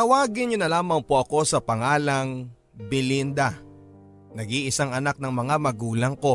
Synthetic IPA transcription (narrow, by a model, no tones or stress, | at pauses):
t̪ɐwaːɡɪnɲonɐlaːmɐŋpoʔɐko̞sɐpɐŋaːlɐŋ | bɪlind̪ɐ | nɐɡiʔɪsaŋɐnak̚nɐŋmɐŋamɐɡuːlɐŋko̞